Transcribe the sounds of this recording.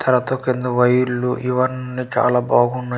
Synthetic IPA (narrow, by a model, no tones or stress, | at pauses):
t̪ʰɐɾɐt̪oːkend̪uʋɐjulːuʔiʋɐnːit͡ʃa̰ːlaːbaːɡunːa